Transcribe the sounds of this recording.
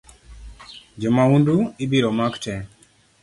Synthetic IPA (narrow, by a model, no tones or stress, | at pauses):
d͡ʒɛmaunduibiɾɔmaktɛ